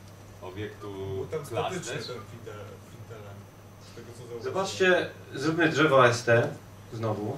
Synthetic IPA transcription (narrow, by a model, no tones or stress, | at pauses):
ɔbʲjɛkt̪ut̪aafʲiɛfʲit̪ɛlɛm | t̪ɛɡ̪ɔzzɔbat͡ʂt͡ɕɛ | zɾubʲmɘdʐɛvaɛst̪ɛ | znɔvu